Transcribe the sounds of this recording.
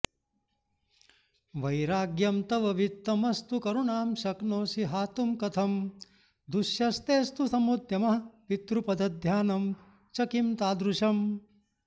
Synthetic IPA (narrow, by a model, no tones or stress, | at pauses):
ʋɐjɾaːɡjɐmt̪ɐʋɐʋit̪ːɐmɐst̪ukɐɾuɳaːmʃɐknoːsiɦaːt̪umkɐt̪ʰɐm | d̪uʃjɐst̪eːst̪usɐmud̪ʱjɐmɐɦɐʋit̪ɾupɐd̪ɐd̪ʱjaːnɐm | t͡ʃɐkimt̪aːd̪ɾuʃɐm